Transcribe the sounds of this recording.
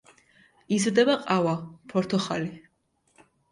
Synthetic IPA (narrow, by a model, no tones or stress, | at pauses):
izɾd̪ɛbaqʼawapʰɔɾt̪ʰɔχali